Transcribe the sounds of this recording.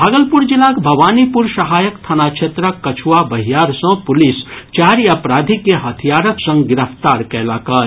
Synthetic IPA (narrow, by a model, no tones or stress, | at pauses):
bʱaːɡəlpʊɾd͡ʒɪlaːkbʱɐʋaːnipʊɾsɐɦaːjəkt̪ʰɐnakʃʰeːt̪ɾəkːɐt͡ʃʰuwabɐɦijaːɾsə̃pʊlɪst͡ʃaːɾjɐpɾaːd̪ʱikeɦɐt̪ʰijaːɾəksə̃ŋɡɡɪɾəft̪aːɾkɛlaːkaːɾ